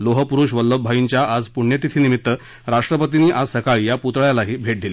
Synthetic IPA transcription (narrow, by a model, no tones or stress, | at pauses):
loɦəpuɾuʂʋəlːəbʱajiɲt͡ɕjaʔad͡zpuɳjet̪it̪ʰiːnimit̪ːə | ɾaʂʈɾəpət̪iniːʔad͡zsəkaɭijaput̪əɭjalaɦiːbʱeʈ̚d̪ile